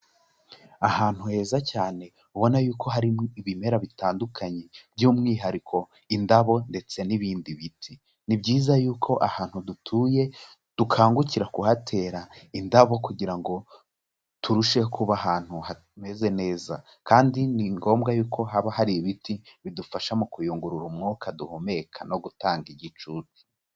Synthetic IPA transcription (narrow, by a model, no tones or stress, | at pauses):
ahaːn̥huhe̞ːzacaːne̞ | uβo̞najuːkʰo̞ɦaɾiiβime̞ɾaβitaːndukʰaɲebɟuːmŋiːɦaɾikʰo̞ | indaβo̞nde̞t͡se̞niβiːndiβitʰi | nibɟiːzajuːkʰo̞ʔahaːn̥hudutʰuːje̞ | d̥ukʰaːŋɡuciɾakuhatʰe̞ːɾaindaβo̞kuɟiɾaŋɡo̞ | tʰuɾuʃehkʰuβaɦaːn̥huha | me̞ze̞ne̞ːza | kaːndiniŋɡo̞ːmɡajuːkʰo̞ɦaβahaɾiβitiβidufaʃamukujuːŋɡuɾuɾumŋukʰaduhome̞kʰano̞ɡutaːŋɡiɟit͡ʃuːti̥